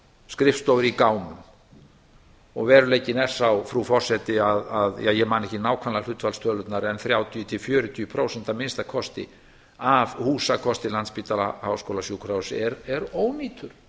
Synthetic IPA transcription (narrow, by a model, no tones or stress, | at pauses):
skɾɪfst̪ɔwvɪɾikaːwmʏm | ɔɣvɛːɾʏleːjcɪnɛr̥sawfɾufɔr̥sɛt̪ɪaðaðjajɛmaːnɛhcɪnaːwkʰvanlal̥ʏt̪valst̪ʰœːlʏt̪naɾɛnθɾjaːwt̪ʰijʏt̪ʰɪlfjœːɾʏt̪ʰiːʏpʰɾoːwsɛnt̪amɪnst̪akʰɔst̪ɪ̰ | avhuːsakʰɔst̪ɪlant̪spiːt̪alaha̰wskoːwlasjuːkʰɾawsɛɾɛɾoːwmiːt̪ʰʏɾ̥